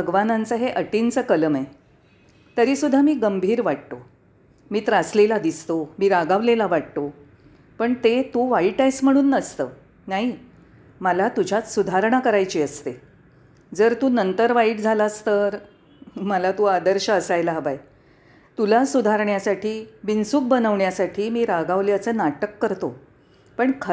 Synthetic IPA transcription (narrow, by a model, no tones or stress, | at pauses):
bʱəɡʋanãnt͡səɦeʔəʈint͡səkələme | t̪əɾiːsud̪ʱːamiːɡəmbʱiːɾʋaʈ̚t̪o | miːt̪ɾaslelad̪ist̪omiːɾaɡaʋlelaʋaʈ̚t̪o | pəɳt̪et̪uʋaiʈajsm̤əɽ̃uːnːəst̪əː | naɦi | məlat̪ud͡ʑʱat͡ssud̪ʱaɾɳ̃akəɾajt͡ɕiːəst̪e | d͡zəɾt̪uːnənt̪əɾʋaiʈd͡zʱalast̪əɾ | məlat̪uad̪əɾɕəəsajlaɦəbaj | t̪ulasud̪ʱaɾɳjasaʈʰiːʋinsuːk̚bənəʋɳjasaʈʰiːmiːɾaɡaʋljat͡sənaʈəkːəɾt̪o | pəɳkʰə